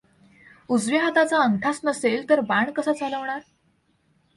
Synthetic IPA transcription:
ud͡zʋiɦat̪at͡saəŋʈʰasnəselt̪əɾbaɳkəsat͡saləʋɳaɾ

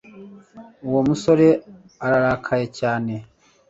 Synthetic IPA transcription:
uwomuso̞ɾe̞ | aɾaɾaːkʰajecaːne̞

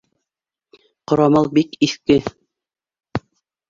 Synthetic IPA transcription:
qŏɾɑmɤlˠbikiθkɘ

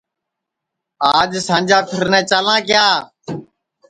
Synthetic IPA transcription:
aːd͡ʒsãːnd͡ʒaːpʰɪɾnɛ̃ːt͡ʃaːlãːkɪjaː

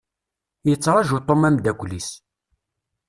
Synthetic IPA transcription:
jət͡sːɾˤɑʒut̪ˤːomæmd̪æɡʷlis

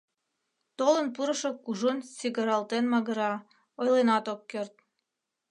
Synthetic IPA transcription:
t̪olənpuɾəʃokuʒunsiɣəɾɑlt̪enmɑɣə̆ɾɑ | ojlenɑt̪okːørt̪̚

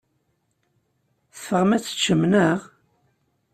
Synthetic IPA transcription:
θfəʁmæt͡sːə̥t͡ʃːəmnəʁ

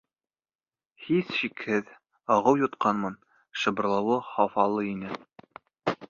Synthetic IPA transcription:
hisɕikhɘð | ɑʁɤwjŏt̪qɑnmɤn | ʃɤ̆bɤ̆ɾlˠɤ̆wɤχɑfɑlˠɤinɘ

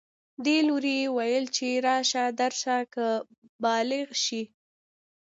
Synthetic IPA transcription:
d̪eloɾijewajəlt͡ʃeɾɑʃad̪aɾʃakə | bɑlɪɣʃi

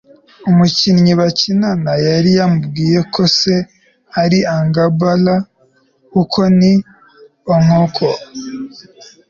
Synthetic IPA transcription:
umucinɲiβacinanajaɾijamubɡiːje̞kʰo̞se̞ | aɾiaŋɡabala | kukʰo̞ni | oŋokʰo

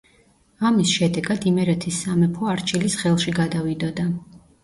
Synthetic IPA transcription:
amisʃɛd̪ɛɡad̪imɛɾɛt̪ʰisːamɛpʰɔaɾt͡ʃʰʼilisχɛlˠʃiɡad̪avid̪ɔd̪a

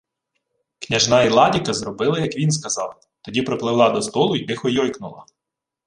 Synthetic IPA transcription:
knʲɐʒnɑilˠɑdʲikɐzrɔbɪlˠɪjɐkʋʲins̬kɐzɑ̰w | t̪ɔdʲipɾɔplˠɪʋlˠɑd̪ɔst̪ɔlˠʊik̪ɪxɔjɔjknʊlˠɐ̰

